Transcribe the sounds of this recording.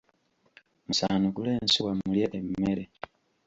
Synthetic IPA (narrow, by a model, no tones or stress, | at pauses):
musaːnukuleːnsuwamuljeʔemmeɾe